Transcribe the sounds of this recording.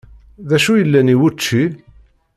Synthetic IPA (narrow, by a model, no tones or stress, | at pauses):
ðæʃujəlːæniwut͡ʃːi